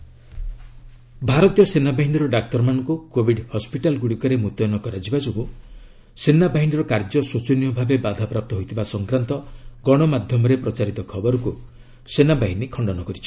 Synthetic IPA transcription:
bʱaɾɔt̪ijɔsenabaɦiniɾɔɖak̚t̪ɔɾmanɔŋkukobʱiɖhɔspiʈalɡuɽikɔɾemut̪ɔjnɔkɔɾad͡ʒibad͡ʒoɡu | senabaɦiniɾɔkaɾd͡ʒɔsot͡ʃɔnijɔbʱabebad̪ʱapɾap̚t̪ɔɦojt̪ʰibasɔŋkɾant̪ɔɡɔɽ̃ɔmad̪ʱjɔmɔɾepɾɔt͡ʃaɾit̪ɔkʰɔbɔɾɔku | senabaɦinikʰɔɳɖɔnɔkɔɾit͡ʃʰi̥

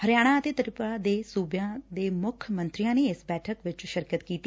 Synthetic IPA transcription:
həɾjaːɽ̃ãːət̪eːt̪əɾɪpaːd̪eːsuːbjãːd̪eːmʊkʰjəmə̃nt̪ɾɪjãːneːɪsbɛːʈʰəkʋɪt͡ʃʃəɾkət̪kiːt̪i

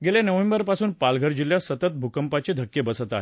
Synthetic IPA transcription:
ɡeljanəʋembəɾpasuːnpalɡʱəɾd͡ʑiljasət̪ət̪̚bʱukəmpat͡ɕed̪ʱəkːebəsət̪aɦe

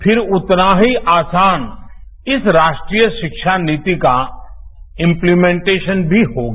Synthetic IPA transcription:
pʰɪɾʊt̪naɦiʔaːsaːn | ɪsɾaːʃʈɾiːjəʃɪkʃaniːt̪ika | ɪ̃mplimẽɳʈeːʃənbʱiɦoːɡa

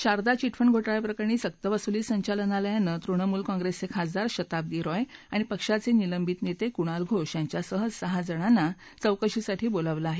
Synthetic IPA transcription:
ɕaɾd̪at͡ɕiʈfʰəɳɡʱoʈajpɾəkaɾñiːsək̚t̪əʋəsuliːsəɲt͡ɕalənaljanət̪ɾuɳ̃əmuːlkɔ̃ŋɡɾest͡sekʰad͡zd̪aɾɕət̪ab̚d̪iːɾɔjaɽ̃ipəkʂat͡seniləmbit̪net̪ekuɽ̃alɡʱoʂjaɲt͡ɕjasəɦəd͡zsəɦad͡zəɽ̃anːa | t͡səwkəɕisaʈʰiːboləʋlaaɦe

